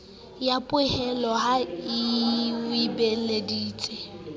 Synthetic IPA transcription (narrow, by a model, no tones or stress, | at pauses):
japʼʊɪhɛlɔhaiwibelediːt͡sʼe